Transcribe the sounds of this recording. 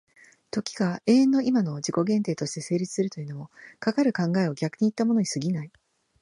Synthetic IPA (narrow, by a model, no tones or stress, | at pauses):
t̪o̞kʲi̥ɡae̞ːẽ̞nːo̞imano̞d͡ʑiko̞ɡẽ̞nt̪e̞ːt̪o̞ɕi̥t̪e̞se̞ːɾʲit͡sɨ̥sɨɾɯ̟t̪o̞jɯ̟no̞mo̞kakaɾɯ̟kãŋɡae̞o̞ɡʲakɯ̟ɲ̟iːt̪ːamo̞no̞ɲ̟isɨɡʲinai